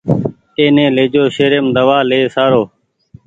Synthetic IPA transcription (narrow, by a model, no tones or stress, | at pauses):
t̪eːnẽːleːd͡ʒoːʃeːɾeːmd̪əʋaːleːsaːɾoː